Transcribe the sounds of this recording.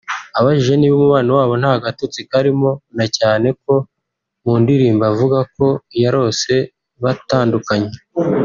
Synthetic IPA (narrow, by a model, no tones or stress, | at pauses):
aβaʒiʒe̞niːβomuβaːnawaːβo̞n̥haɡatot͡sikaɾimo̞nacaːne̞k̚o̞ | muːndiɾiːmbavuɡako̞jaɾo̞ːse̞ | βataːndukaɲe